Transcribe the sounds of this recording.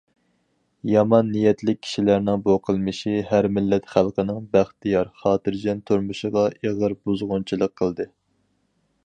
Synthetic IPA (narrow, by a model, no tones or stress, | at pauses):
jɑmɑnːijɛt̪lɪk̚ʲʰːi̥ʃilæɾnɪŋboqʰəlˠmɨʃiɦæɾmɪlːɛt̪χælˠqənɪŋbæχt̪ijɑɾχɑːt̪ɨɾd͡ʒɛnt̪ʰuɾmuʃəʁɑʔeʁəɾbuzʁʊnt͡ʃʰilˠəqʰːəlˠd̪ɨ